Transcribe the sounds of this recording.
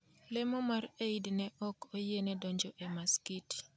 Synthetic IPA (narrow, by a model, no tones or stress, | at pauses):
lɛmɔmaɾeidnɛʔɔkojenɛdɔɲd͡ʒɔʔɛmaskit